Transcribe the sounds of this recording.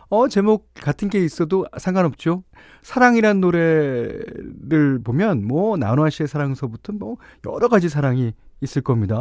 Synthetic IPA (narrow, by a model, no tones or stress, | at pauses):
ʌt͡ɕe̞mok̚k͈atʰɯnɡe̞is͈ʌdosʰeŋɡanʌp̚t͡ɕ͈o | sʰaɾaŋiɾanːoɾe̞ | ɾɯɭpomjʌnmwʌna̰noaɕ͈ʰiesʰaɾaŋesʰʌbutʰʌmwʌ | jʌ̰ɾʌɡad͡ʑisʰaɾaŋiːs͈ɯɭk͈ʌmɲida